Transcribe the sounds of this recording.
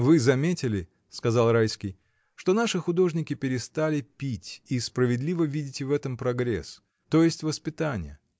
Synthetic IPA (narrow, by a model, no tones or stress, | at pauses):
vɨzɐmʲetʲɪlʲɪ | skɐzɑlˠrajskʲɪj | ʂt̪o̞naʂɨxʊd̪o̞ʐnʲɪkʲɪpʲɪɾʲɪst̪alʲɪpʲitʲispɾəvʲɪd̪lʲivəvʲidʲɪtʲɪvɛt̪əmpɾɐɡɾʲḛs | t̪o̞jɪsʲtʲvəspʲɪt̪anʲɪ̰jə̰